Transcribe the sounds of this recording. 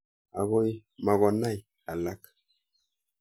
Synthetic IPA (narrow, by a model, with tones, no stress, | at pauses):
a̰˨ɣo˦jma˨ɣo˨na˦˨j | a˨la˦k